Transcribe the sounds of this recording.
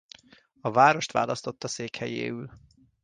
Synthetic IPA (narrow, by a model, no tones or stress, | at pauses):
ɒvaːɾo̞ʃt̪ʋa̰ːlɒst̪o̞t̪ːɒseːkhɛjḛːyl